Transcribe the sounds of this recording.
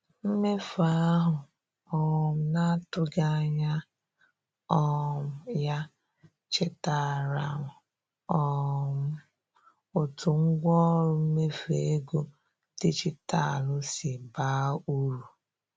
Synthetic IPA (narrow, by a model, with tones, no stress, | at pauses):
m̩˦me˦fa˦ɦʊ˨ | ɔ˨m̩˨˦na˦tʊ˦ɡa˦˨ɲa˦ | ɔ˦˨m̩˨ja˦ | t͡ʃɪ˦ta˨ɾa˨ʊ˨ | ɔ˨m̩˦ | ʊ˨tʊ˨ŋ̩˦ɡʷɔ˦ɾʊ˦m̩˦me˦fḛ˨˦ɡo˦ | ti˦t͡ʃɪ˦ta˦˨lʊ˦si˨ba˦u˦ɾu˨